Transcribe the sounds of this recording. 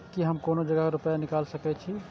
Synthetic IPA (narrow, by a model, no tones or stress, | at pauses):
kiɦəmkonod͡ʒəɡaɾupjanikalsəkɛt͡ʃʰi